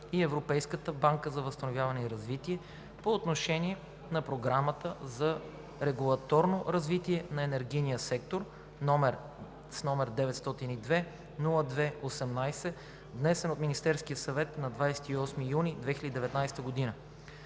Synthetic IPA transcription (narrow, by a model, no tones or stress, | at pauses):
iɛvɾopɛjskət̪əbaŋkəzɐvəst̪ɐnovʲjavɐnɛiɾɐzvit̪iɛ | poːt̪noʃɛniɛ | nɐpɾoɡɾamət̪əzɐ | ɾɛɡulˠɐt̪ɔɾnoɾɐzvit̪iɛnɐɛnɛɾɡinijəsɛk̚t̪oɾ | nɔmɛɾ | snɔmɛɾd̪ɛvɛt̪st̪ɔt̪inid̪vɛ | nulˠəd̪vɛosɛmnajsɛ | vnɛsɛnot̪minist̪ɛɾskijəsɐvɛt̪nɐd̪vajsɛ̥t̪iɔsmijunid̪vɛxilʲəd̪id̪ɛvɛt̪najst̪əɡod̪inə